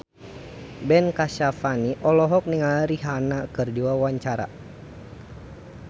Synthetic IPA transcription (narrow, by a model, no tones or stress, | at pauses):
bɛnkaʃafaniʔɔlɔɦɔk̚niŋalɾiɦanakɨrdiwawaɲt͡ʃaɾa̰